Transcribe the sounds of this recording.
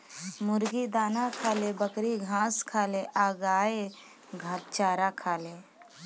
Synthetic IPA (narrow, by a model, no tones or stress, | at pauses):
mʊɾɡid̪aːnakʰaːlebəkɾiɡʱãːskʰaːleʔaːɡaːe | ɡʱaːt̪t͡ʃaːɾakʰaːle